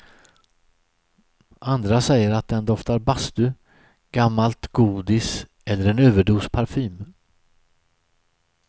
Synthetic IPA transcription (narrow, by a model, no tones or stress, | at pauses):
ʔand̪ɾasɛjːəɾat̪̚d̪ɛnd̪ɔft̪aɾbast̪ɵ | ɡ̥amːalt̪ɡuːd̪ɪsʔɛlːəɾɛnøːvəɖuːspʰaɾfyːm